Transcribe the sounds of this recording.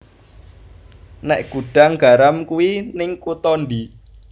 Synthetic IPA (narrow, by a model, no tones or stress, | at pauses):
nɛʔɡ̥ṳɖ̥a̤ŋɡ̥a̤ɾamkuwinɪŋkut̪ɔndi